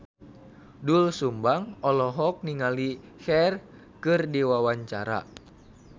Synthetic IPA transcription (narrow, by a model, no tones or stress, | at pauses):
dulsumbaŋɔlɔɦɔk̚niŋalihɛr | kɨrdiwawaɲt͡ʃa̰ɾa̰